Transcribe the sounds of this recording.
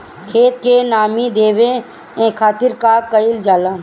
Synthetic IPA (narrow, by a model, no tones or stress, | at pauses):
kʰeːt̪kenaːmid̪eːʋe | ẽkʰaːt̪ɪɾkaːkəɪld͡ʒaːlãːn